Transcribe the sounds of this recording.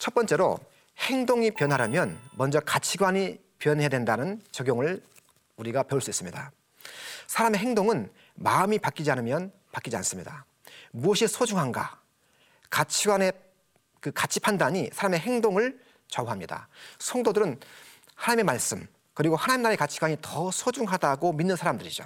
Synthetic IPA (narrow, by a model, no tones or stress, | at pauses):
t͡ɕʰʌt̚p͈ʌnt͡ɕ͈e̞ɾo̰ | heŋdoŋipjʌnɦaɾamjʌnmʌnd͡ʑʌkat͡ɕʰiɡwaɲi | pjʌnɦedwe̞ndanɯnt͡ɕʌɡjoŋɯɭ | uɾiɡapjʌɭs͈uis͈ɯmɲida | sʰaɾame̞ɦe̞ŋdoŋɯn | maɯmipak͈id͡ʑianɯmjʌn | pak͈id͡ʑia̰ns͈ɯmɲida | muʌɕʰisʰod͡ʑuŋɦanɡa̰ | kat͡ɕʰiɡwane | kɯkat͡ɕʰipʰandaɲisʰaɾame̞ɦeŋdoŋɯɭ | t͡ɕʌuɦamɲida̰sʰʌŋdodɯɾɯn | hanaɲime̞maɭs͈ɯm | kɯɾiɡohanaɲimnːaɾe̞kat͡ɕʰiɡwaɲitʌsʰod͡ʑuŋɦadaɡominːɯnsʰaɾamdɯɾid͡ʑo̰